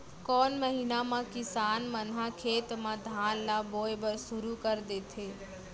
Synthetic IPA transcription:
kɔːnməɦiːnamãkɪsaːnmənɦakʰeːt̪mãd̪ʱaːnlaboːebəɾsʊɾukəɾd̪eːt̪ʰeː

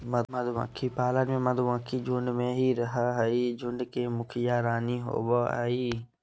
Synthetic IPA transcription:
məd̪məd̪ʋã̰ːkʰipaːlənmẽmɐd̪ʋãːkʰid͡ʒʊɳɖmẽɦiɾəɦaɦəid͡ʒʊ̃ɳɖkemʊkʰɪjaɾaːniɦo̰ːbaa̰iː

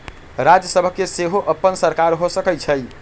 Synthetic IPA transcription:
ɾad͡ʒjəsəbʱəkːeseɦoʔəpːənsəɾkaɾɦosəkət͡ʃʰəj

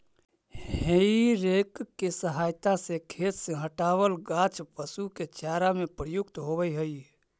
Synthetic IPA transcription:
heiɾekkːesəɦaːjt̪asekʰeːt̪sẽɦəʈaːʋəlɡãt͡ʃpəsuket͡ʃaːɾamepɾəjʊkt̪ɦobəjɦəi

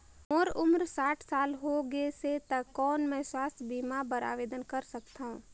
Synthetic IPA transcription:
ɔːɾʊmɾsaːʈʰsaːlɦoɡeset̪akɔːnmɛ̃ːswaːst̪ʰbiːmabəɾa̰ːʋeːd̪ənkəɾsəkt̪aɦũː

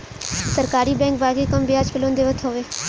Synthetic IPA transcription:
səɾkaːɾiːbɛ̃ːŋk̚baːɡiːkəmbɪaːd͡ʒpɪlõːnd̪eːʋət̪ʰɦoːʋeː

